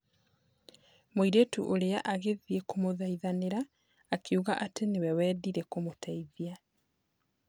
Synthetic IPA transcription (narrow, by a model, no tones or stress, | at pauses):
moiɾetuʔoɾeaʔaɣeðiekomoðaiðaneɾaː | kʰeuɣaʔatenewɛwɛːðiɾekomotʰɛiðia